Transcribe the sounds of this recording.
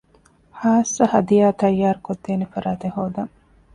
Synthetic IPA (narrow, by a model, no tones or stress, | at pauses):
haːsːɐhɐd̪ijaːt̪ɐjːaːɾukod̪ːeːnefɐɾaːt̪ehoːd̪ɐŋ